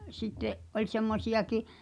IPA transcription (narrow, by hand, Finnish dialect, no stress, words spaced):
sitːeʔ ʔolʲ semːosiɑki